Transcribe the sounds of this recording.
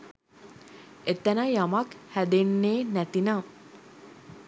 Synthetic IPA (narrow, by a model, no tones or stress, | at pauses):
et̪ənəjamakhæd̪enːeːnæt̪ina